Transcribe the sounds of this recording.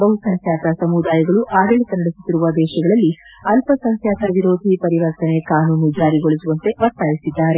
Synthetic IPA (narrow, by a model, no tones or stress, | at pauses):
bɐɦusɐŋk̪ʰjaːt̪ɐsɐmud̪aːjɐɡɐɭuʔaːɡɐɭit̪ɐnɐɽesu̥t̪ːiɾuʋɐd̪ɛːʃɐɡɐɭɐlːiɐlpɐsɐŋkʰjaːt̪ɐʋiɾo̞ːd̪ʱipɐɾiʋɐɾt̪ɐne̞kaːnuːnud͡ʒaːɾiɡoɭisuʋɐnt̪e̞ʋɐɾt̪aːjisid̪ːaːɾe̞